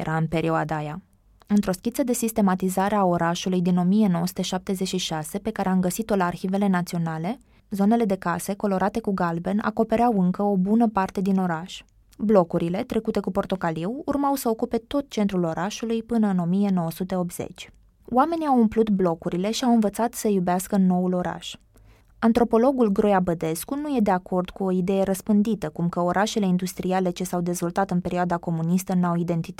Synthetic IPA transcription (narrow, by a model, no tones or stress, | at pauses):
ḛɾʔaɨnpe̞ɾioad̪aja | ɨnt̪ɾo̞skʲit̪səd̪e̞sist̪e̞mat̪izaɾe̞ao̞ɾaʃulujd̪ino̞mije̞no̞wosu̥t̪e̞ʃap̚t̪e̞zet͡ʃʃiʃase̞pe̞kaɾe̞amɡəsit̪o̞laːrçive̞le̞nat̪sio̞nale̞ | zo̞ne̞le̞d̪e̞kase̞ko̞lo̞ɾat̪e̞kuɡalbena̰ko̞pe̞ɾeawɨŋkəo̞bunəpart̪e̞d̪ino̞ɾaʃ | blo̞kuɾile̞t̪ɾʔe̞kut̪e̞kupo̞rt̪o̞kaliwurmawsəokupe̞t̪o̞t̪̚t͡ʃe̞nt̪ɾulo̞ɾaʃulujpɨnəɨno̞mije̞no̞wəsut̪e̞o̞p̚t̪z̥ḛt͡ʃʲ | owame̞niawumplut̪blo̞kuɾile̞ʃiawɨnvət̪sat̪səjubeaskəno̞ulo̞ɾa̰ʃ | ant̪ɾo̞po̞lo̞ɡulɡɾojabəd̪e̞skunuje̞d̪e̞ako̞rd̪kuo̞id̪e̞je̞ɾəspɨnd̪it̪əkumkəo̞ɾʔaʃe̞le̞ind̪ust̪ɾiale̞t͡ʃe̞sawd̪e̞zvo̞lt̪at̪ɨnpe̞ɾioad̪ako̞munist̪ənuawid̪e̞nt̪it̪